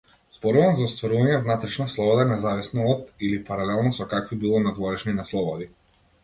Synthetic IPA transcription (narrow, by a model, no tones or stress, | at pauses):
z̥bɔɾuvamzaɔst̪vaɾuvaɲɛvnat̪ɾɛʃnaslˠɔbɔd̪anɛzavisnɔːd̪ilipaɾalɛlˠnɔsɔkakvibilˠɔnad̪vɔɾɛʃninaslˠɔbɔd̪i